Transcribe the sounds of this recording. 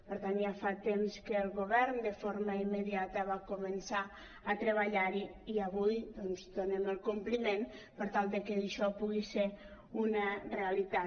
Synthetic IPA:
pəɾt̪anʒafat̪emskəːlˠɣoβɛɾnd̪əfoɾməimːəðiat̪əβakumənsa | ət̪ɾəβaʎaɾiiəβujd̪ɔnzd̪oneməlˠkumplimen | pəɾt̪alˠd̪əkeːʃɔpuɣise | unəreəlit̪a

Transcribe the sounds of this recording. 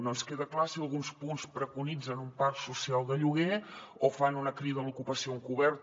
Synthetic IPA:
nonskeðəklasiəlˠɣunspunspɾəkunid͡zənumparksusialˠd̪əʎuɣ̞e | ofanunəkɾiβəmlukupəsioŋkuβɛɾt̪

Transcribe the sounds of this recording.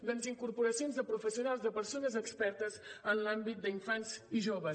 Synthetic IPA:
d̪əlziŋkuɾpuɾəsionzðəpɾufəsiunalˠzðəpəɾsonəzəkspɛɾt̪əzənlambit̪̚d̪əiɱfanziʒoβə

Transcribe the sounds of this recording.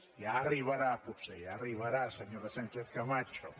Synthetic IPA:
jariβaɾapʊpsajaːriβaɾasaɲoɾasant͡ʃeθkamat͡ʃo

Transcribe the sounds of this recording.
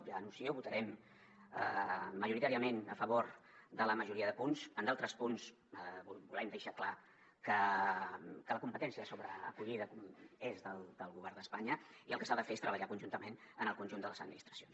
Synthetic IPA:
ənusioβut̪əɾɛm | ə̰məʒuɾit̪aɾiəmenəfəβ̞oɾðələməʒuɾiəðəpunzənd̪alˠt̪ɾəspuns | bulɛmd̪əʃakla | kə | kələkumpət̪ɛnsiəsoβɾəə̰kuʎiðəezðəlˠd̪əlˠɣuβɛrnd̪əspaɲəiəlˠkəsaðəfeest̪ɾəβəʎakunʒunt̪əmenənəlˠkunʲʒund̪ələzəd̪minist̪ɾəsions

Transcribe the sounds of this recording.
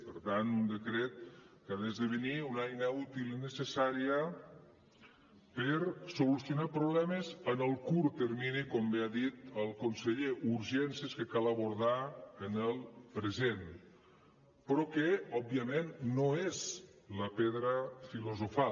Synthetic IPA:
pəɾt̪ant̪und̪əkɾet̪̚kaðezðəβəniunajnəut̪ilinəsəsaɾiə | pəɾsolusjonapɾoβlɛməzənəlˠkuɾt̪əɾminikɔmbeaðit̪əlˠkonsəʎeʔuɾʒɛnseskəkalaβoɾð̞aənəlˠpɾəzen | pɾɔkeɔbːiəmenːoez | ləpeðɾəfiluzofa

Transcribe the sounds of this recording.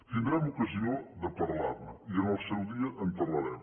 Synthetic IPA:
t̪ind̪ɾɛmukɐziod̪əpɐɾla̰ɾməiənɔst̪əlˠd̪iɐʔəmpɐɾlɐɾɛm

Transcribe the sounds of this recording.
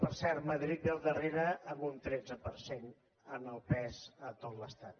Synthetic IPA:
pəɾsɛɾməðɾit̪̚dəlˠd̪əreɾəəmunt̪ɾɛd͡zəpəɾsen | ənəlˠpɛzət̪ot̪ləst̪at̪̚

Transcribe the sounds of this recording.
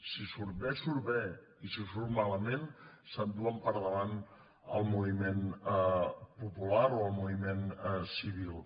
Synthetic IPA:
sisuɾβɛsuɾβɛ | isisuɾmaləmensənd̪uəmpəɾðəβan | əlˠmuβimen | pupulaɾoəlˠmuβimensiβilˠ

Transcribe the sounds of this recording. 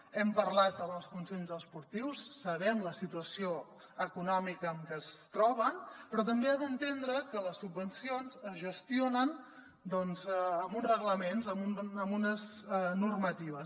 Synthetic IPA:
ɛmpərlat̪əməlˠskunsenzəspuɾt̪iwsːəβɛmləsit̪uəsio | əkunɔmikəːmkəst̪ɾɔβənpɾɔt̪əmbeaðənt̪end̪ɾəkələsːubənsionzəzʒəst̪ionən | d̪ɔnzəmunrəɣləmenzəmunəmbunəznurmət̪iβ̞əs

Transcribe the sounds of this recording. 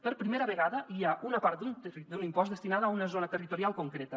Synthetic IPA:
pəɾpɾimeɾəβəɣaðəʔiaʔunəpaɾt̪d̪unt̪rid̪unimpɔzd̪əst̪inaðəːunəzonət̪ərit̪uɾialˠkuŋkɾet̪ə

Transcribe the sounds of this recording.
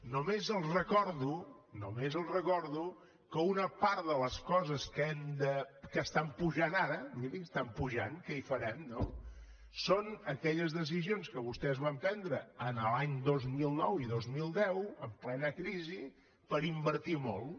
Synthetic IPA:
numezəlˠrəkɔɾðu | numezəlˠrəkɔɾðu | kəunəpaɾt̪ðələskɔzəskɛmd̪əkəst̪ampuʒanaɾəmiliəst̪ampuʒa̰nkəifəɾɛmno | sonəkɛʎəzðəs̬izionskəβust̪ɛzβampɛnd̪ɾəːnəlaɲd̪ozmilˠnɔwiðozmilˠd̪ɛwəmplɛnəkɾizi | pəɾimbəɾt̪imɔ̰lˠ

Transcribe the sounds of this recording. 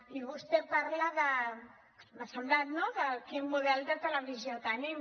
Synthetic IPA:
iβust̪ɛpaɾlaðə | məsəmblat̪noðəkinmuðɛlˠd̪ət̪ələβiziot̪anim

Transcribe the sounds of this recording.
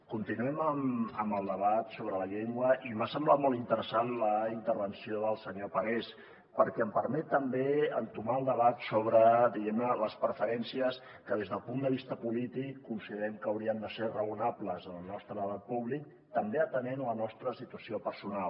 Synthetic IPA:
kunt̪inuɛməməmbəlˠd̪əβat̪soβɾələʎeŋɡwəimbasəmblat̪mɔlˠt̪int̪əɾəsanləint̪əɾβənsioðəlˠsəɲopəɣes | pəɾkɛəmpəɾmɛt̪ːəmbeənt̪umaəlˠd̪əβat̪soβɾəd̪iɣɛmnələspɾəfəɾɛnsiəs | kəðezðəlˠpund̪əβ̞ist̪əpulit̪ikːunsiðəɾɛmkəəwɾiəmd̪əserəunapləzəlˠnɔst̪ɾəpuβlik̚ | t̪əmbeət̪ənenlənɔst̪ɾəsit̪uəsiopəɾsunal

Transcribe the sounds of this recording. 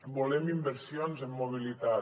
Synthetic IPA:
bolemimbeɾsjonzemːoβ̞ilit̪a

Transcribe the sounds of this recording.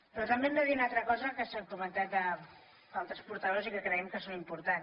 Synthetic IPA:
pɾɔt̪əmbemd̪əðiunalˠt̪ɾəkɔzəkəsɛmkumənt̪at̪̚d̪ə | balˠt̪ɾəspuɾt̪əðosikəkɾəɛmkəsonimpuɾt̪an

